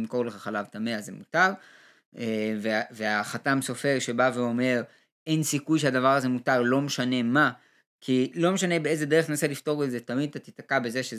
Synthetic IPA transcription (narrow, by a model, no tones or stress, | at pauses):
mko̞ʁleχaχalavt̪ameazemutaʁ | eveveaχatamso̞fe̞ʁʃe̞baveo̞me̞ʁ | e̞nsikujʃeadavaʁaze̞mutaʁlo̞meʃanema | kʰilo̞meʃane̞beeze̞de̞eχt̪enaselifto̞ʁezetamid̪̚t̪at̪it̪akabe̞zeʃe